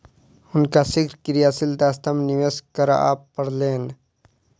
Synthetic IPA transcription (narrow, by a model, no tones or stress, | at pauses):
ʊnkasɪkʰɾkɾijaːsɪld̪aːst̪əmnɪʋeskəɾa̰a̰ːpːəɽleːn